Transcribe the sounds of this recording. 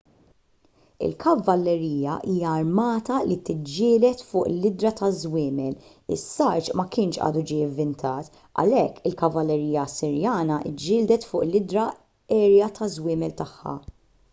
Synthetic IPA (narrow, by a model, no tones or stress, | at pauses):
ɪ̰lkʰɐvːɐlːɛɾiːjɐ̰ʔiːjɐːɾmɐːt̪ɐlit̪ɪd͡ʒːɪːlɛt̪fʊːʔlɪd̪ɾɐt̪ɐzwɪːmɛl | ɪ̰sːɐɾt͡ʃmɐkɪːnʃʔɐ̰ːd̪ud͡ʒiɪvːɪnt̪ʰɐːt̪ | ʔɐ̰lɛkːɪlkɐvɐlːɛɾiːjɐsɪɾjɐːnɐʔɪ̰d͡ʒːɪːld̪ɛt̪fʊːʔlɪd̪ɾɐ | ɛːɾjɐt̪ʰɐzwɪːmɛlt̪ɐħːɐ̰